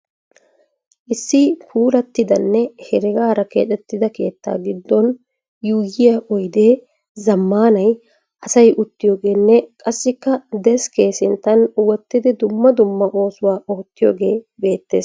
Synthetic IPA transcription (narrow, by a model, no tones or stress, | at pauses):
ʔɪsːɪpʰuːɾɐt̪ːɪd̪ɐnːɛhɛɾɪɡaːɾɐkḛːᶑ̪ɛt̪ːɪd̪ɐke̞ːt̪ːa̰ːɡɪd̪ːɔn | juːjɪjɐʔɔjd̪eː | zɐmːaːnɐj | ʔɐsɐjʔʊt̪ːɪjoːɡe̞ːnːɛkʼɐsːɪkːɐd̪ɛskeːsɪnt̪ɐnwɔt̪ːɪd̪ɪd̪ʊmːɐd̪ʊmːɐʔo̞ːsʊwaːʔɔt̪ːɪjoːɡe̞ːbe̞ːt̪ːe̞̰ːs